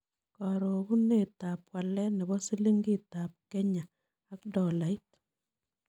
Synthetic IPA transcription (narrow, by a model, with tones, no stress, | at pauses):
kɔ˨ɾo˨ɡu˦ne˦˨ta˨pwa˨lɛ˦nɛ˨bɔ˦si˦li˦ŋɡi˦ta˨p̚kɛ˦ɲa˨ | a˦kdɔ˨la˨i˦t̚